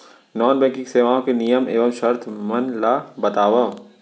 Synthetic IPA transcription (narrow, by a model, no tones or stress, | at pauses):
nɔːnbɛ̃ːkɪ̃ŋkseːʋaːõkenijəmeːʋəmʃɐɾt̪ʰmɐnlaːbɐt̪aːʋɐ